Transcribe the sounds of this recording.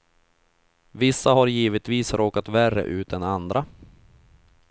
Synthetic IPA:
vɪsːaɦaɾjiːvət̪viːsɾoːkat̪værːə̰ʔʉ̟ːt̪̚ɛnand̪ɾa

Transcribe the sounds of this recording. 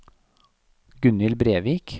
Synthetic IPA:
ɡʉnɪlbɾeːʋiːk

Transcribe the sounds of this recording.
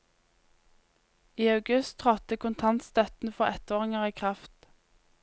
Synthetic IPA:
iːɑʉɡʉst̪ʰʁɔt̪əkʊnt̪ʰɑnt̪st̪œt̪n̩fɔʁɛt̪oːʁɪŋəʁiːkʰʁɑft̪

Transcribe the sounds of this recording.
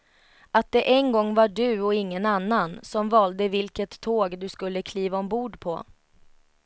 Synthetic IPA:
at̪̚d̪ɛʔɛnɡɔŋːvaɖɵɔɪŋːənanːansɔmvɑːld̪əvɪlkət̪ʰːoːɡd̪ɵskɵlːəkʰliːvaɔmbuːɖpʰɔ̰

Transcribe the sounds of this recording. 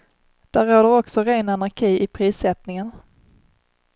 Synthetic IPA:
d̪̥æɾoːd̪əɾɔksɔɾeːnanaɾkʰiːʔɪpʰɾiːsɛt̪nɪŋən

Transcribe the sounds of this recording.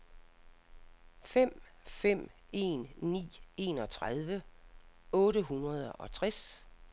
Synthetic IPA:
fem̰fem̰e̝̰ːnːḭːe̝ːnɒ̽t͡sʰʁað̞ˠʋə | ɔ̽ːɾəɦunʁɐð̞ˠɒ̽t͡sʰʁas

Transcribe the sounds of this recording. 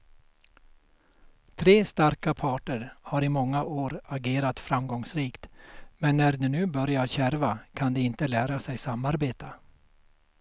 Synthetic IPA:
t̪ʰɾeːst̪aɾkapʰɑːʈəɾhaɾɪmɔŋːaʔoːɾaɡeːɾat̪fɾamɡɔŋsɾiːkt̪mɛnːæɖɛnʉ̟ːbœɾjaɾɕæɾvakʰand̪ɛɪnt̪əlæːɾasɛjsamːaɾbeːt̪a

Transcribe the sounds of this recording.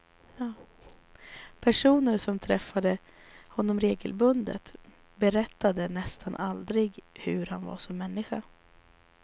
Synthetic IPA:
ɑː | pʰæʂuːnəɾsɔmt̪ʰɾɛfːad̪ə | hɔnːɔmɾeːɡəlbɵnd̪ə̰t̪ | bɛɾɛt̪ːad̪ənɛst̪ʰanʔald̪ɾɪɡhɵɾha̰nva̰ʂɔmːɛnːɪɧa

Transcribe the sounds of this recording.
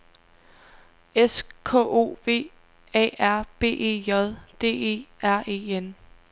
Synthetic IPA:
eskʰo̰o̝̰ːʋe̝̰ː | ɛ̰ːæɐ̰b̥e̝̰ːʔe̝̰ːjɒðˠd̥e̝̰ːe̝̰ːæɐ̰e̝̰ːen

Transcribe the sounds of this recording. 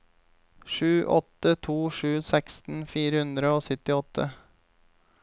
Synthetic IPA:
ʃʉːʔɔt̪ət̪ʰuːʃʉːsɛkst̪n̩fiːɾəhʉnd̪ɾəoːsʏt̪ɪɔt̪ʰə

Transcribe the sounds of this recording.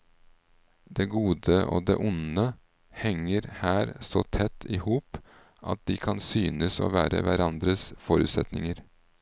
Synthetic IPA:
d̪eːɡuːd̪əʔo̰ːd̪ḛːʔʊnə | hɛŋəɾhæːɾsɔt̪ʰɛt̪ʰːɪːhuːp | ʔɑ̰t̪̚d̪iːkʰɑnsyːnəso̰ːʋæːɾə̰ʋæɾɑnd̪ɾəsfɔɾʉːt̪sɛt̪nɪŋəɾ

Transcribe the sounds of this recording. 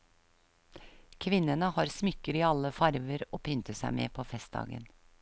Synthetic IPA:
kʰʋɪnːənəhɑːɾsmʏkːəɾiːɑləfɑɾʋəɾoːpʰʏnt̪əsæ̰ɪmḛːpʰoːfɛst̪̚d̪ɑ̰ːɡə̰n

